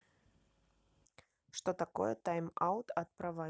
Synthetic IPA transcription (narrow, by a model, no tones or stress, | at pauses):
ʂt̪ot̪akojɛt̪ajmawt̪ɐt̪̚pɾɐva